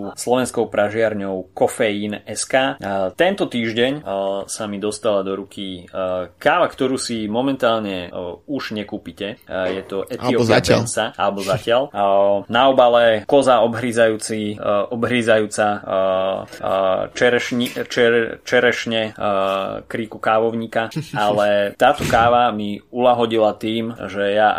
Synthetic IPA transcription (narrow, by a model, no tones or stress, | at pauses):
uslɔʋɛnskɔʊpɾaʒɪaɾɲɔʊkɔfɛjiːnɛskaːt̪ɛnt̪ɔt̪iːʒɟɛɲsamid̪ɔst̪alad̪ɔɾukʰi | kaːʋakt̪ɔɾuːsimɔmɛnt̪aːlɲɛuʒ̥ɲɛkuːpicɛjɛt̪ɔʔɛiɔpaalnt͡saʔa̰lɛbɔzacɪalnaɔbalɛkɔzaɔbɦɾizajuːt͡siʔɔbɦɾizajuːt͡sa | t͡ʃɛɾɛʃɲit͡ʃɛt͡ʃɛɾɛʃɲɛ | kɾikukaːʋɔʊɲikaalɛt̪aːt̪ɔkaːʋamiulaɦɔɟilat̪iːmʒɛja